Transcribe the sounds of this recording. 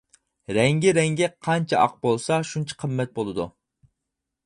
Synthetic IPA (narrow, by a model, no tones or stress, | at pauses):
ɾɛŋɡʲiɾɛŋɡʲɛqʰɑnt͡ʃʰɛɑ̰q̚bolˠsɑʃunt͡ʃʰɪ̥qʰəmːɛt̪̚bolˠɨd̪ṵ